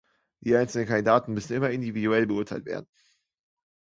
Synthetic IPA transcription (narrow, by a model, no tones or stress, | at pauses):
d̥iːʔaɪnt͡sl̩nənkʰandidaːtn̩mʏsn̩ɪmɐɪndividuɛlbəʊɐtʰaɪltv̥ḛɐdn̩